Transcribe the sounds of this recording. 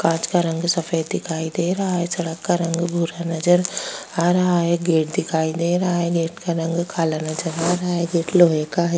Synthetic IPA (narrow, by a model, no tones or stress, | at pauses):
kãːt͡ʃkaɾɐ̃ŋɡsɐfəjd̪ɪkʰaːid̪eːɾɐɦaɦɛsɐɽəkːaɾɐ̃ŋɡbʱuɾanɐd͡ʒəɾaːɾɐɦaɦɛɡeːʈ̚d̪ɪkʰaːid̪eːɾɐɦaɦɛɡeːʈkaɾɐ̃ŋɡkʰaːlanɐd͡ʒəɾaːɾɐɦaɦɛɡeːʈloːɦekaɦɛ